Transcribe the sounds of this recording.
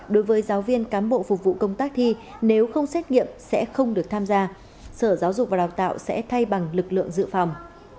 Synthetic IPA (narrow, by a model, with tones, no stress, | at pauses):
ɗo˨˦jvəː˨˦jzaː˨˦wvi˧ənkaː˨˦nɓo̰˧˨fʊ˨˩k͡p̚vṵ˧˨kə˧wŋ͡mt̪aː˦˥k̚t̪ʰi˧ne˨˦wxə˧wŋ͡msɛ˦˥t̚ŋḭ˧˨əmsɛ̰˧˥xə˧wŋ͡mɗɨ˨˩ək̚t̪ʰaː˧mzaː˧ | səː˧˩zaː˨˦wzʊ˨˩k͡p̚va˨˩ɗaː˨˩w̚t̪a̰ː˧˨wsɛ̰˧˥t̪ʰa˧jɓa˨˩ŋlɨ˨˩k̚lɨ̰˧˨əŋzɨ̰˧˨fa˨˩wŋ͡m